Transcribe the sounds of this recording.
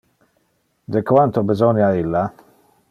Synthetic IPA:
d̪ekwant̪obizɔnjailːa

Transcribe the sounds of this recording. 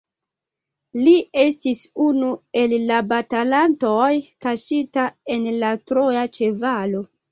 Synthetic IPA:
lie̞stisunue̞lːabatalanto̞jkaʃitae̞nlatɾo̞at͡ʃe̞valo̞

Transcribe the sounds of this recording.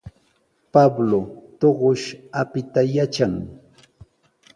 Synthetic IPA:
pablot̪oɢoʃapɪt̪ajat͡ʃaŋ

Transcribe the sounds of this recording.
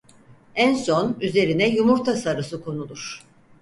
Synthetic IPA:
ænso̞nyze̞ɾinɛjumuɾt̪ʰasaɾɯsɯkʰo̞nulˠuɾ̥

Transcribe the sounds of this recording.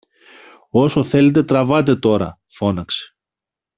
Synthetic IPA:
o̞so̞θe̞le̞t̪̬e̞t̪ɾɐvɐt̪̬e̞t̪o̞ɾɐ̰ | fo̞nɐkse̥

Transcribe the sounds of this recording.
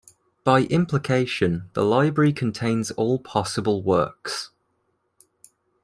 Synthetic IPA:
b̥aɪʔɪ̃mpʰlɪkʰeɪʃə̃nðə̰laɪbɹəɹikʰə̃ntʰẽɪ̃nz̥ɔːlˠpʰɒsəbəlˠwɜ̰ˑks

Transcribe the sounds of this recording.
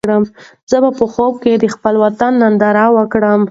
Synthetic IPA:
ɽəm | z̥əbapəxob̚ked̪əxpəlwat̪anːand̪aɾɑwəkɽəm

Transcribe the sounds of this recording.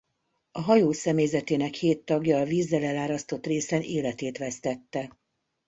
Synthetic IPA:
ɒɦɒjoːsɛmejzɛt̪eːnɛkheːt̪ːɒɡjɒːviːzːɛlɛlaːɾɒst̪o̞t̪reːsɛneːlɛt̪eːt̪ʋɛst̪ɛt̪ːɛ

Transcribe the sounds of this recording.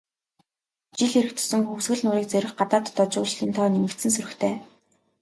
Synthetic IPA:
t͡ɕiɮiɾɘ̆kt̪ʰɵ̥sɵ̆ŋxuxsɣɘ̆ɮnʊːɾiːk̚t͡sœɾʲɪ̆χɢat̪aːt̪ːɔt͡ɕʊːt͡ɕɮiːnt̪ʰɔːnemɘ̆kt̪sɘ̆ns̬ɵɾɵ̆xt̪ʰeː

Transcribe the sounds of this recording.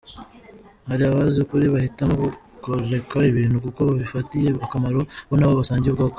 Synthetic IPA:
haɾiaβaziukuɾiβahitamoβu | koɾe̞kaiβiːnhukuko̞βaβifatije̞akamaɾoβonaβoβasaːɲɟeβɡak

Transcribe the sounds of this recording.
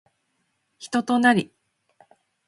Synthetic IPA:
çi̥t̪o̞t̪o̞naɾʲi

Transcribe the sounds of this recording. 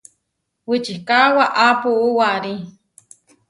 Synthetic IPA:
wit͡ʃikawaʔapuʔuwaɾi

